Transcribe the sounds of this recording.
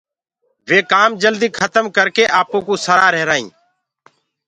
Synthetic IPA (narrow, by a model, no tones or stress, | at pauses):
ʋeːkaːmd͡ʒəld̪iːkʰət̪əmkəɾkeːʔaːpõːkũːsəɾaːɾɛɦɾaːḭ̃ː